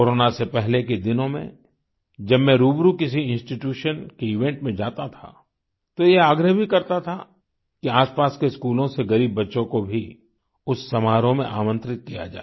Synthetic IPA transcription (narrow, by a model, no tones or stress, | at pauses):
koːɾoːnasepɛɦleked̪ɪnõmḛ̃ | d͡ʒɐbmẽɾuːbɾukɪs̬iɪ̃nsʈiʈjuːʃənkeɪʋẽːɳʈmẽd͡ʒaːt̪at̪ʰa̰ | t̪ojeaːɡɾəɦbʱikɐɾt̪at̪ʰa | kiaːspaːskeskuːlõseɡɐɾiːbːɐtːʃõkobʱi | ʊsːɐmaːɾõmḛ̃ʔaːmə̃nt̪ɾɪt̪̚kija̰d͡ʒa̰ːe